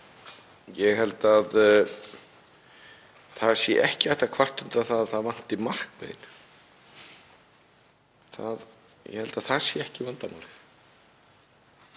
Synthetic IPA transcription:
jɛɣɦɛlt̪að | θaðsjɛ̰ʔɛhcɪajht̪akʰvar̥t̪ʏmt̪aθaðθaðvan̥t̪ɪmar̥kvḛːjn | θa̰ð | jɛ̰hɛlt̪aθaðsjɛɛhcɪvant̪ana̰l

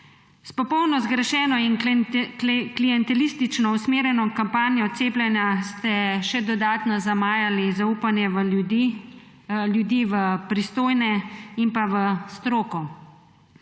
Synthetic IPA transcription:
spɔpɔwnɔzɡɾɛʃɛːnɔin | klijɛnt̪ɛliːst̪it͡ʃnɔusmeːɾjɛnɔkampaːnjɔt̪seːplʲjɛnjast̪ɛʃɛd̪ɔd̪aːt̪nɔzamaːjalizauːpanjɛʋ̪ | ljud̪iːʋəpɾist̪oːjnɛimpaʋəst̪ɾoːkɔ

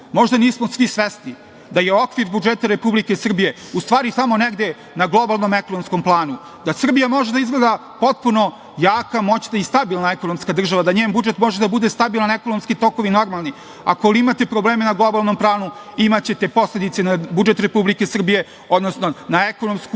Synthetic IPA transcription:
mo̞ʒd̪aniːsmo̞sʋisʋesni | d̪ajeo̞kʋiɾbud͡ʒet̪aɾe̞publike̞sr̩bije̞ust̪ʋaːɾit̪amo̞neɡd̪e̞ | naɡlˠo̞balˠno̞mekonomsko̞mplˠaːnu | d̪asr̩bijamo̞ʒed̪aizɡled̪a | po̞t̪̚puno̞ | jaːkamo̞t͡ɕnaist̪abilˠnaeko̞nomskad̪r̩ʒaʋad̪aɲeːmbud͡ʒe̞t̪mo̞ʒed̪abud̪e̞st̪abilˠanekonomskit̪o̞ko̞ʋino̞ɾmalˠni | a̰koliimat̪e̞pɾobleːmenaɡlˠo̞balˠno̞mpɾaːnuimat͡ɕe̞t̪e̞po̞sle̞d̪it̪senabud͡ʒe̞t̪ɾe̞publike̞sr̩bije̞ | o̞d̪nosno̞naeko̞no̞msku

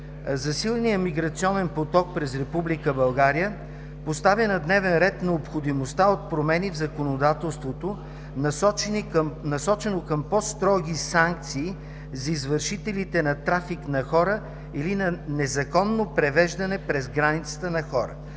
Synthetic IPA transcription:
zɐsilˠnijəmiɡɾɐt̪siɔnɛnpot̪ɔk̚pɾɛzɾɛpublikəbɐlˠɡaɾijə | post̪avjənɐd̪nɛvɛnɾɛt̪nɛopxod̪imost̪aot̪̚pɾomɛnivzɐkonod̪at̪ɛlˠst̪vot̪o | n | nɐsɔt͡ʃɛnokəmpɔst̪ɾɔɡ̟ʲisaŋk̚t̪siː | zɐizvəɾʃit̪ɛlit̪ɛnɐt̪ɾafiknɐxɔɾə | ilinɐnɛzɐkɔnːopɾɛvɛʒd̪ɐnɛpɾɛzɡɾanit̪sə̥t̪ənɐxɔɾə̰

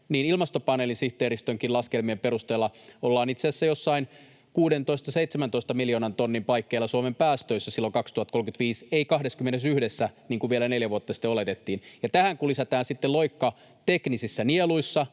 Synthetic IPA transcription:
niːnilmɑst̪opɑneːlinsiht̪eːɾist̪øŋkilɑskelmiempeɾust̪eːlːɑolːɑːnit̪seæsːæjosːɑin | kuːdent̪oist̪ɑseit̪semænt̪o̞ist̪ɑmiljoːnɑnt̪onːimpɑikːeilːˑɑsuomempæːst̪øisːæsilːoŋkɑkst̪uɑt̪̚ːkolkyt̪ʋiːseikɑhdeskymːenesyhdesːæniːŋkuʋielæneljæʋuot̪ːɑsi̥t̪ːeolet̪et̪ːiːnjɑt̪æhæŋkulisæt̪æːnsit̪ːeloikːɑ | t̪eknisisːænieluisːɑ

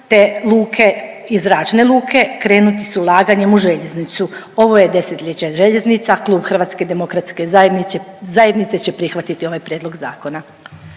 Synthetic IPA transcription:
t̪e̞lˠuːkʰe̞ | izɾat͡ʃne̞lˠuːkʰe̞kɾe̞ːnut̪i̥suulˠaːɡaɲe̞muʒe̞ʎe̞znit̪su | o̞ʋo̞jed̪e̞set̪ʎʲet͡ɕaʒeʎe̞znit̪saklˠuːbxr̩ʋat̪ske̞id̪e̞mo̞kɾat̪ske̞zaeizajed̪nit̪set͡ɕe̞pɾixʋat̪it̪io̞ʋajpɾʲjeːd̪lˠo̞ɡza̰ːko̞na

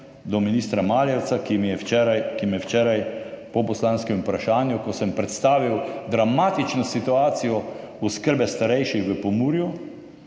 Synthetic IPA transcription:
d̪ɔminiːst̪ɾamaːljɛwt̪sakimijɛɛɾajkimijɛwt͡ʃɛːɾajpɔpɔslaːnskɛmupɾaʃaːnjukɔsəmpɾɛt̪st̪aːʋiwd̪ɾamaːt̪it͡ʃnɔsit̪uaːt̪sijɔ | uskəɾbɛst̪aɾɛjʃixʋəpɔmuːɾju

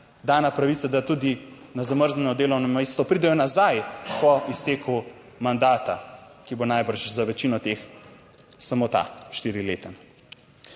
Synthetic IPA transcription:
d̪aːnapɾaʋit̪sad̪at̪uːd̪i | nazaməɾznʲɛnɔd̪eːlɔwnɔmest̪ʋɔpɾiːd̪ɛjɔnazajpɔist̪eːku | mand̪aːt̪akibonajbəɾʃzaʋɛt͡ʃiːnɔt̪ex | samot̪a̰ʃt̪iːɾileːt̪ɛm

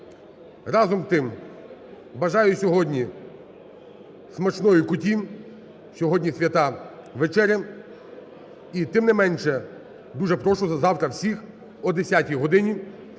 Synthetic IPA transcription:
rɑzɔmt̪ɪm | bɐʒɑjʊsʲɔɦɔdʲnʲi | smɐt͡ʃnɔjikʊtʲi | sʲɔɦɔdʲnʲisʲʋʲjɐt̪ɑʋet͡ʃɛɾʲjɐ | it̪ɪmnɪmɛnʲʃɛ | d̪uʒɛpɾɔʃʊzɐzɑwt̪ɾɐwsʲix | ɔd̪esʲatʲijɦɔd̪ɪnʲi

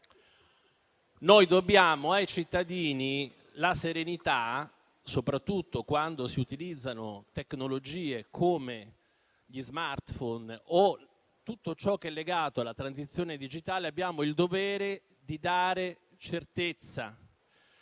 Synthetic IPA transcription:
nojd̪objaːmoajt͡ʃit̪ːad̪iːni | laseɾenit̪a | sopɾat̪ːut̪ːokwand̪osiut̪ilid̪zːanot̪eknolod͡ʒiːekʰoːme | ʎizmart̪fɔno | t̪ut̪ːot͡ʃɔkːeɛlːeɡaːt̪oalːat̪ɾansit̪sːjoːned̪id͡ʒit̪aːleabːjaːmoild̪ovɛːɾe | d̪id̪aːɾe | t͡ʃert̪et̪sːa̰

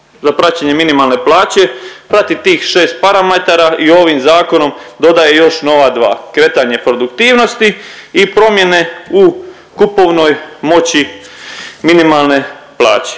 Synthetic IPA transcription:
zapɾat͡ɕeɲe̞minimalˠne̞plˠaːt͡ɕe̞pɾat̪it̪iːxʃe̞ːst̪̚paɾamet̪aɾaʔio̞ːʋimzaːko̞no̞md̪o̞d̪aje̞jo̞ʃno̞ʋad̪ʋa̰ːkɾe̞t̪aɲe̞pɾo̞d̪ukt̪iːʋno̞st̪iipɾo̞mje̞ne̞u | kupo̞ʋno̞jmo̞t͡ɕi | minimalˠne̞plˠa̰ːt͡ɕe̥

